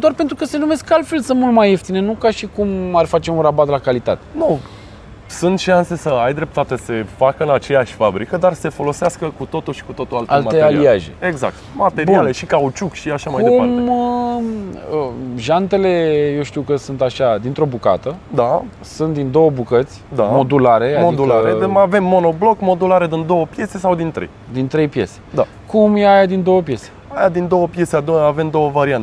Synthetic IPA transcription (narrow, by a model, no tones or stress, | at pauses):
d̪oarpent̪ɾukəse̞nume̞skːalfe̞lsɨnmult̪majeft̪inenukaʃikumarfat͡ʃe̞unrabat̪lakalit̪at̪enu | sunt̪ʃanse̞səajd̪ɾe̞p̚t̪at̪ese̞fakəɨnat͡ʃe̞jaʃʲfabɾikəd̪arse̞fo̞lo̞seaskəkut̪o̞t̪uʃi̥kut̪o̞t̪ualtaelmat̪ealiaʒḛeɡza̰k̚t̪mat̪e̞ɾbiale̞ʃikaut͡ʃukʃiaʃamajdk̪euam | əʒant̪e̞le̞jewʃt̪iwkəsunt̪aʃad̪int̪ɾo̞buka̰t̪əd̪a | sunt̪̚d̪ind̪o̞wəbukət̪sʲd̪amo̞d̪ulaɾe̞amod̪ulaɾeave̞mːo̞no̞blo̞kmo̞d̪ulaɾed̪ind̪o̞wəpje̞se̞sawd̪int̪ɾejd̪int̪ɾe̞jpje̞se̥d̪a | kumjeajad̪ind̪o̞wəpje̞se̥ | ajad̪ind̪o̞wəpje̞sead̪oave̞md̪o̞wəvaɾiant̪e